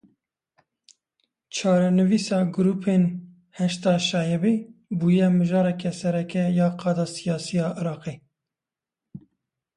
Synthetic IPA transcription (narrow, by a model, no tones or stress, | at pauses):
t͡ʃʰɑːɾɛnɨviːsɑːɡʊɾuːpʰeːn | hɛʃt̪ɑːʃɑːjɛbeːbuːjɛmɨʒɑːɾɛkɛsɛɾɛkɛjɑːqʰɑːd̪ɑːsijɑːsijɑːʔɨɾɑːqeː